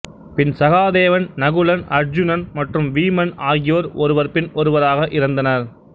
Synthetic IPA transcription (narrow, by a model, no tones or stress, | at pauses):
pɪnsɐɣaːðeːʋɐnnɐɣɯɭɐnɐɾd͡ʒʊnɐnmɐʈrɯmʋiːmɐnaːɣɪjoːɾɔɾɯʋɐɾpɪnɔɾɯʋɐɾaːɣɐʔɪɾɐnd̪ɐnɐɾ